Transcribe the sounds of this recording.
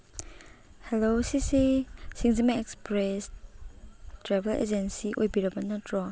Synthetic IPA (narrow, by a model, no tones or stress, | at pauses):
hɛlosisisĩŋzimɛɛkspɹɛs | tɹɛvəlʔḛd͡ʒə̃nsiʔɔjbiɹabanatɹɔ